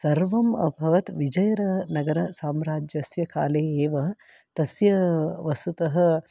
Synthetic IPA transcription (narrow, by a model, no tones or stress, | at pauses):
sɐɾʋɐmɐ̰bʱɐʋɐt̪ʋid͡ʒɐjɐɾɐnɐɡɐɾɐsaːmɾaːd͡ʒjɐsjɐka̰ːleːeːʋɐ | t̪ɐsjɐʋɐsut̪ɐɦɐ